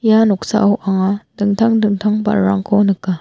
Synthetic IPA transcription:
janok̚sa̰ʔoʔaŋadɯŋt̪ʰaŋdɯŋt̪ʰaŋba̰ːa̰ŋkʰonɯkːa

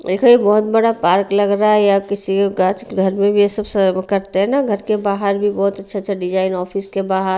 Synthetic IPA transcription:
ekoibɔɦʊt̪̚bəɽapaːɾklɐɡɾaɛjakɪsieɡat͡ʃɡʱəɾmẽbʱiesəbskɐɾt̪eɦɛnaɡʱəɾkebaːɦəɾbʱibɔɦʊt̪ɐtːʃʰatːʃʰaɖɪd͡ʒaːɪnɔːpʰiskebaːɦəɾ

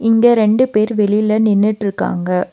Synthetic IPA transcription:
ɪŋɡɐɾɛɳɖɯpeːɾʋɛɭɪjɪlɐnɪnːɪʈːɪɾɯkːa̰ːŋɡɐ

